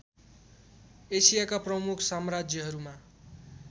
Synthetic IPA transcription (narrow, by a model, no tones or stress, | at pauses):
esijakaprʌmukʰsamrad͡zjʌɦʌɾuma